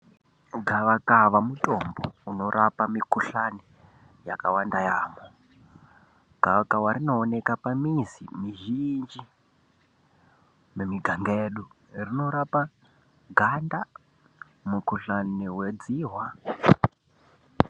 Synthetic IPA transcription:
ɡʱaʋakaʋamutʼo̞mbouno̞rʔapamikuɬani | jakawandajaːmo | ɡ̥ʱaʋakawaɾino̞ːnekapamizḭmiʒind͡ʒi | memiɡʱaŋɡeɗu | rino̞ɾapa | ɡʱanda | mukuɬaniwed͡ziːɦwa

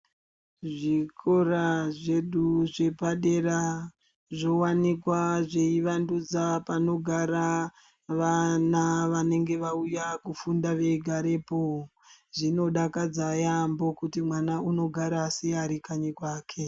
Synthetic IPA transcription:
ʐikʰoraʐe̞ɗuʐepaɗe̞ra | ʐo̞wanikwaʐe̞iʋandud͡zapano̞ɡʱaɾa | ʋanaʋane̞ŋɡe̞ʋaujakufundaʋe̞ɡʱaɾe̞po | ʐino̞ɗakad͡zajambo̞kutimwanauno̞ɡʱaɾaːsiaɾikaɲikwaːkʰe

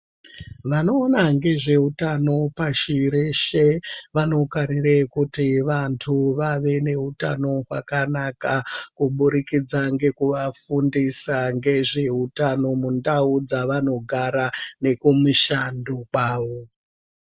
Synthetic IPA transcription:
ʋano̞ːnaŋɡe̞ʐe̞utano̞paʃiɾeʃeʋano̞kaɾirekutiʋantʰuʋaʋe̞ne̞ɦuta̰no̞ɦwa̰kanakakuɓuɾikid͡zaŋɡe̞kuʋafundisaŋɡe̞ʐe̞ɦutano̞mundaud͡zaʋano̞ɡʱaɾane̞kumuʃandokwaːʋo

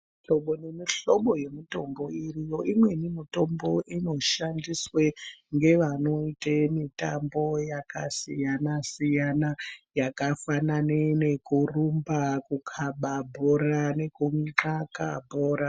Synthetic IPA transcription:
iɬoɓonemiɬo̞ɓo̞je̞mito̞mbo̞irijo̞ʔimwe̞nimito̞mbo̞ʔino̞ʃandisweŋɡe̞ʋano̞itemitambo̞jakasijanasijanajakafananene̞kurumbakukʰaɓabʱoɾane̞kumiǁakabʱo̞ːɾa

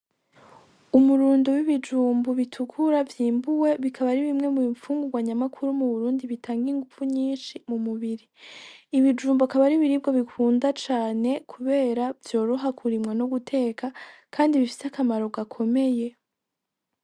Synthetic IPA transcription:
umuɾuːndowiβid͡ʒuːmbuβitʰukʰuɾavjiːmbuwe̞βikʰaβaɾiβimŋe̞mifuːŋɡuɡwaɲamakʰuɾumuβuɾuːndiβitʰaːŋɡiŋɡufuɲiːnʃimumuβiɾiː | βid͡ʒuːmbuakaβaɾiβiɾib̚ɡoβikʰuːndat͡ʃaːne̞kʰuβe̞ːɾavjo̞ːɾoɦakʰuɾimŋanoɡutʰe̞ːkʰakʰaːndiβifi̥seakamaɾo̞ɡakʰo̞me̞je̞

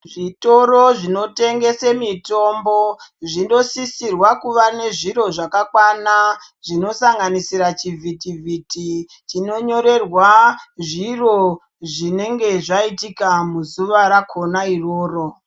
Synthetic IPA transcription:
ʐito̞ɾo̞ʐino̞te̞ŋɡe̞semito̞mboʐindo̞sisirwakuʋane̞ʐiɾo̞ʐakakwana | ʐino̞saŋɡanisiɾat͡ʃivʱitivʱiti | t͡ʃino̞ɲo̞ɾe̞rwaʐiro̞ | ʐine̞ŋɡe̞ʐaitikamuzuʋaɾakʰo̞nairoːro̞

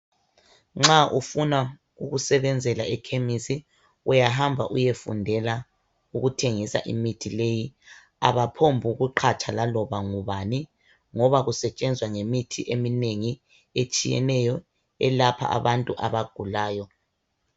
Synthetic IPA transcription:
ŋ͡ǁaʔufuna | uɣusɛβɛnd͡zʱɛlaɛkʰemisi | ujaɦambʱaʔujefṵndʱɛla | uɣutʰeŋisa̰ʔḭmitʰileji | a̰βapʰombʱuɣuǃʰat͡ʃʼʰalalɔβaŋuβani | ŋɔβaɣusɛt͡ʃʼɛnd͡zʱwaŋemitʰiʔemineŋi | et͡ʃʼijɛ̰nɛjɔ | ɛlapʰa̰ʔa̰βantʼuʔaβaɡ̥ʱulaːjɔ

